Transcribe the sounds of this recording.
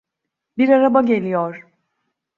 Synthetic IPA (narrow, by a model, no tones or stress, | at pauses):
biɾaɾabaɟe̞lʲijoɾ̥